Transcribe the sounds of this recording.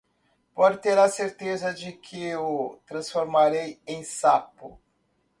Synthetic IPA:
pɔd͡ʒɪt̪eɾɐseɾt̪ezɐd͡ʒɪkʰɪʊt̪ɾɐ̃sfoɾmaɾejẽj̃sapʊ

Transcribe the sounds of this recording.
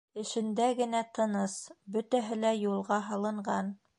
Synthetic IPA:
ɘ̆ʃɘ̆nd̪æɡɘ̆næt̪ʰɤ̆nɤsbɵt̪æɦɘlæjulˠʁɑɦɑlˠɤ̆ɴɢɑn

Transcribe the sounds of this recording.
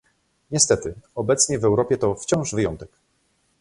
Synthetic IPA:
ɲɛst̪ɛt̪ɘɔbɛt̪sɲɛvɛwɾɔpʲjɛt̪ɔft͡ɕɔ̃w̃ʐvɘjɔ̰nt̪ɛk

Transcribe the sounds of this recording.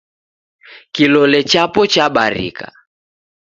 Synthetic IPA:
kilɔlɛt͡ʃapɔt͡ʃaɓaɾḭka̰

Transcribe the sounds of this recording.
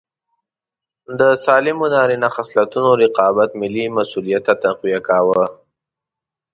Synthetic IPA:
d̪əsɑlɪmʊd̪ɑɾinaxaslat̪unoɾɪqɑbat̪mɪlːimasulijat̪ːat̪aqwijakawə

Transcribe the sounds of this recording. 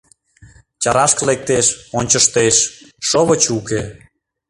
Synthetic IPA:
t͡ɕɑɾɑʃklek̚t̪eʃonʲt͡ɕəʃt̪eʃːoβət͡ɕuke

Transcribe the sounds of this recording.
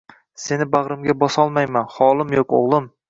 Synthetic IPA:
se̞nɪbaʁɾɪmɡʲabɒsɒlˠmajmanχɒlˠɪmjoko̰ʁlˠɪm

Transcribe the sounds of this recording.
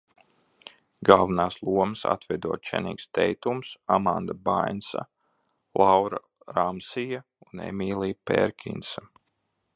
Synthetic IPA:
ɡalˠvanaːslˠuɔmsa̰t̪vɛd̪uɔt̪̚t͡ʃɛnḭːkst̪ɛjt̪umsamand̪abajnsa̰ | lˠawɾa | ɾamsija | unḛmʲiːlˠiːpḛɾkʰʲḭnsa

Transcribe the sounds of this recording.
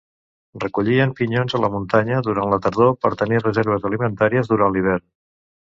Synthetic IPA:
rəkuʎiəmpiɲonzələmunt̪aɲəðuɾanlət̪əɾðopəɾt̪ənirəzeɾβ̞əzəlimənt̪aɾiəzðuɾanliβ̞ɛɾn

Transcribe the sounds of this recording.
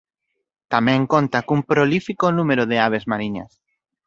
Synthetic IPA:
t̪amɛ̃ŋkont̪akumpɾolifikonũmeɾoðeaβezmaɾiɲa̰s

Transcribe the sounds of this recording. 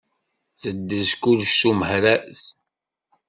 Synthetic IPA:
θəd̪ːəzkulʃsuməhɾæs

